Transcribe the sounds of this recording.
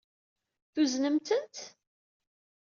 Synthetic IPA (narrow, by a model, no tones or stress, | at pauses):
θuznəmt̪ənt̪